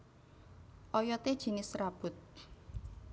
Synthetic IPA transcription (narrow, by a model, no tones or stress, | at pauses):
ʔɔjɔt̪ed̥ʒ̥i̤nɪsrab̥ʊ̤t̪̚